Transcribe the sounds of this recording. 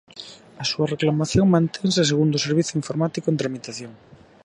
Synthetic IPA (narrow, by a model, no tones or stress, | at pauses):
ɐsuɐreklamaθjoŋmãnt̪ʰeŋsɪseɣund̪ʊseɾβ̞iθoʊiɱfoɾmat̪ikoent̪ɾamit̪aθjoŋ